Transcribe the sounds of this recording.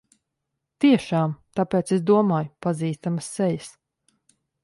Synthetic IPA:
t̪iɛʃaːmt̪apeːt̪sesd̪uɔmaːjupaziːst̪aməsːɛjəs

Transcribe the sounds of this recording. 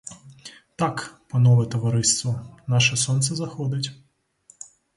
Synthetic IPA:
t̪akpɐnɔʋɛt̪ɔʋɐɾɪst̪ʋɔnaʃɛsɔnt̪sɛzɐxɔd̪ɐtʲ

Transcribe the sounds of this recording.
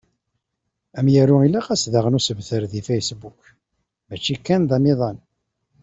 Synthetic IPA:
æmjæɾuilaqæsðaʁənusəvθəɾðifejsbuk | mæt͡ʃːikːænðæmiðˤɑn

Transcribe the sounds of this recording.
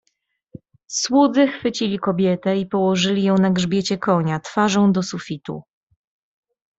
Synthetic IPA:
swud̪zɘxfɘt͡ɕilʲikɔbʲjɛt̪ɛipɔwɔʐɘlʲijɔ̃w̃naɡʐbʲjet͡ɕɛkɔɲat̪faʐɔ̃w̃d̪ɔsufʲit̪ṵ

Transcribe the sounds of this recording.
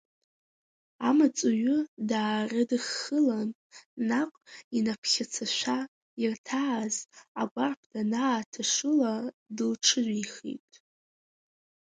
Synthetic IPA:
amat͡sʼuɥʊdaːrɨdɨχːəlan | naqʷʼinapʰχʲat͡sʰaʃʷa | irtʰaːzaɡʷarpʰdanaːtʰaʂɨladɨlʈ͡ʂʰɨʒʷiχḭtʼ

